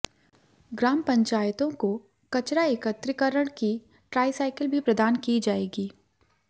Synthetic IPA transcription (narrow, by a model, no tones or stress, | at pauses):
ɡɾaːmpɐ̃ɲt͡ʃaːjət̪õko | kɐt͡ʃɾaeːkət̪ɾɪkəɾəɽ̃ki | ʈɾaːɪsaːɪkəlbʱipɾɐd̪aːnkid͡ʒaːeːɡiː